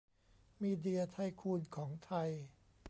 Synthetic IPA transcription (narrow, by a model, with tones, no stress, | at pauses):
miː˧di˧ɐt̪ʰa˧jkʰuː˧nkʰɔː˩˦ŋt̪ʰa˧j